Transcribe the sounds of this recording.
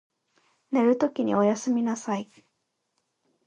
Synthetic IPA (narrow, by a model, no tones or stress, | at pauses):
ne̞ɾɯ̟t̪o̞kʲiɲ̟ḭo̞jasɨmʲinasai